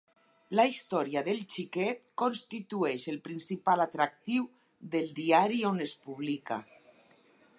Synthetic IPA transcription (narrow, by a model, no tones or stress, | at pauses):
laist̪ɔɾiaðelt͡ʃikɛt̪konst̪it̪uɛʃelpɾinsipalat̪ɾak̚t̪iw | ðelˠd̪iaɾionespuβ̞lika̰